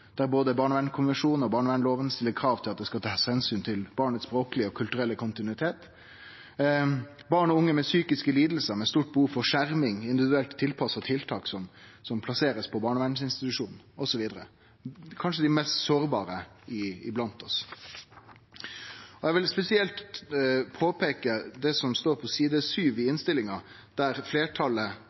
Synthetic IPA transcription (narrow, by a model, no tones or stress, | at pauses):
d̪̥æɾboːd̪əbɑːɳʋɛnkʰʊnʋɛnʂuːn̩ɔbɑːɳɔʋɛnloːʋənəst̪ɪlːəɾkʰɾɑːʋt̪ʰɪlɑt̪̚d̪ɛskɑlt̪ʰɑːshɛnsyːnt̪ʰɪlb̥ɑːɳət̪spɾoːklɪəɔkʰʉlt̪ʉɾɛlːəkʰʊnt̪ɪnʉɪt̪ʰeːt̪ | bɑːɳɔʊŋːəmɛsyːkɪskəliːd̪l̩səɾmɛst̪uːʈ̚bəuːfɔʂæɾmɪŋɪnd̪ɪʋɪd̪ʉɛlt̪ʰːɪlpʰɑsət̪ʰɪlt̪ʰɑːksɔmsɔmpʰlɑseːɾəspʰɔbɑːɳɔʋɛn̩sɪnst̪ɪt̪ʉʂuːnn̩ɔsɔʋiːd̪əɾə | kʰɑnʂəd̪ɪmɛst̪soːɾbɑ̰ːɾə | ɪɪblɑnt̪ɔs | ɔjɛɡʋɪlspɛsɪɛlt̪ | pʰoːpeːkəd̪ɛsɔmst̪oːɾpʰɔsiːd̪əsyːʋɪɪnst̪ɪlɪŋɑ | d̪̥æɾfleːʈʰɑlə